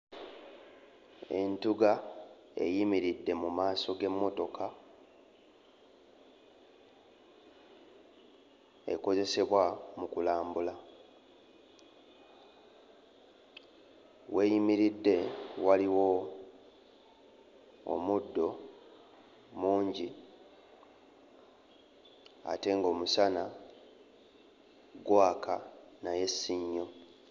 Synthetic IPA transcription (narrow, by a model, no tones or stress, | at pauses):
e̞ntuɡa | e̞̰jimiɾidːe̞mumaːso̞ɡe̞mːo̞to̞ka | e̞̰ko̞ze̞se̞βwamukulaːmbula | we̞ːjimiɾidːe̞waliwo̞ | mudːo̞ | muːɲɟi | a̰te̞ŋɡo̞ːmusana | ɡwaːkʰa | naje̞siɲːo̞